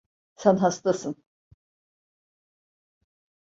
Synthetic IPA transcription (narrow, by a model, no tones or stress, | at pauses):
sænɦast̪asɯn